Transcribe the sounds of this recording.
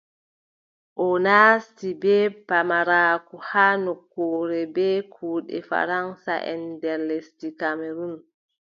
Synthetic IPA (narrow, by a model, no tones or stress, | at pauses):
ʔɔnaːstibɛːpamaɾaːkuhaːnokːoːɾɛbɛːkʰuːɗɛ̰fa̰ɾansa̰ʔɛ̰ndɛɾlestikameɾun